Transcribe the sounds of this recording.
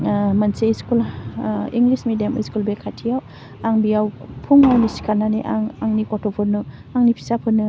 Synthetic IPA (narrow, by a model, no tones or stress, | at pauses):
manseskul | iŋlismedijamḭskulbekʰatʰijaw | aŋbiawpʰuŋawnisi̥kʰananeʔaŋaŋnikɔtʰɔpʰɔɾnɯ | aŋnipʰi̥sapʰɯnːɯ